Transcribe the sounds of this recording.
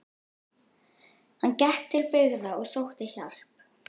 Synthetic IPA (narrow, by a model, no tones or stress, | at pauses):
hancɛhkt̪ʰːɪlpɪɣðaɔɣsowht̪ɪçawl̥p